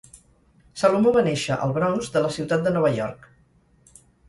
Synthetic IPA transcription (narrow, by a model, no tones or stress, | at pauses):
salumoβanɛʃəʔə̰lˠβɾɔnzd̪ələsiwt̪at̪̚d̪ənɔβ̞əʎɔɾk